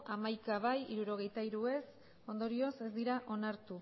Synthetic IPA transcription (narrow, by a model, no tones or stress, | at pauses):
ʔamajkaβajiɾuɾo̞ɣ̞e̞jt̪aiɾue̞s | o̞nd̪o̞ɾio̞se̞zd̪iɾaʔo̞naɾt̪u